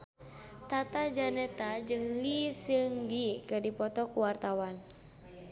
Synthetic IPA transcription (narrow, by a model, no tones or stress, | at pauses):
t̪at̪ad͡ʒanɛt̪ad͡ʒɨŋlisɨŋɡikɨrdipɔt̪ɔkuwart̪awan